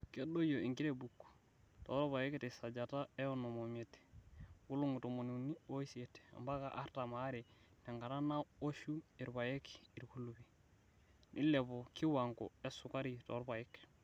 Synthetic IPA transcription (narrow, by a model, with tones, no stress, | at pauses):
ke˦do˦jo˨i˨ŋki˦ɾe˨bu˨kː | to˨˦ɾpa˨je˦kete˨sa˨d͡ʒa˨ta˦e˦o˦no˨mo˨me˨t | ɡu˦lu˦ŋu˨to˨mo˨ni˨ni˦o˦i˦si˨e˨ta̰˨mba˦ka˨ʔa̰˦ɾta˨ma˨˦ɾi˨ne˨ŋɡa˨ɾa˦na˦o˦ʃu˦i˨ɾba˨je˦ki˨ɾku˦lu˨bi˨ | nʔḭ˦le˨βo˨ki˦wa˨ŋko̰˨e˦su˨ka˦ɾi˨to̰˨ɾpa˨je˦k